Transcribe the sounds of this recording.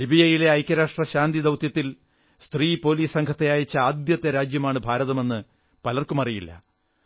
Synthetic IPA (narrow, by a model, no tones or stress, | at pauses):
libijɐjile̞ɐjkʲːɐɾaːʂʈrɐɕaːnd̪id̪ɐwt̪jɐt̪ːil | st̪riːpo̞ːliːssɐŋɡʰɐt̪ːejaːjit͡ɕːɐaːd̪jɐt̪ːɐɾaːd͡ʑjɐmaːɳɨbʱaːɾɐðɐme̞nːɨ | pɐlɐrkumɐrijilːɐ̰